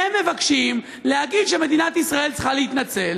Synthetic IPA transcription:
emːe̞vakʃim | lehaɡid̪ʃeme̞d̪inat̪isʁae̞lt͡sχaleit̪nat͡se̞l

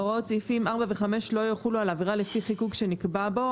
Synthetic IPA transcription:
ʁott͡sifimaʁbaveχame̞ʃlo̞joχulualaviʁalefiχikuɡʃe̞nikbabo̞

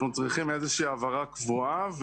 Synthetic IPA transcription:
mat͡sʁiχimezeʃiːavaʁakvuav

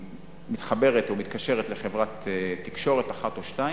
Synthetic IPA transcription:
mit̪χabe̞ʁet̪omit̪kaʃe̞ʁet̪le̞χevʁat̪etːikʃo̞ʁet̪aχat̪oʃtai

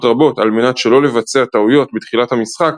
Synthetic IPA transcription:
tʁabo̞talme̞natʃe̞lo̞le̞vat͡seat̪aujo̞tbet̪χilathamisχak

